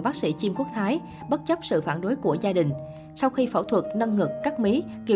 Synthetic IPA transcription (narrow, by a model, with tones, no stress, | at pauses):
ɓaː˦˥k̚sḭ˧˥t͡ɕi˧mku˦˥k̚t̪ʰaː˨˦j | ɓə˦˥t̚t͡ɕə˦˥p̚sɨ̰˧˨faː˧˩nɗo˨˦jku˧˩əzaː˧ɗï˨˩ŋ̟ | sa˧wxi˧fə̰˧˩wt̪ʰwə˨˩k̚na˧mŋɨ˨˩kːaː˦˥k̚mi˨˦ | ki˨˧˩